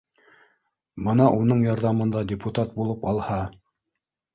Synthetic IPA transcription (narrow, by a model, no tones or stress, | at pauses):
bɤnɑʔunɤɴjɑɾðɑmɤ̆nd̪ɑdʲɪput̪at̪̚bulˠɤpɑlˠhɑ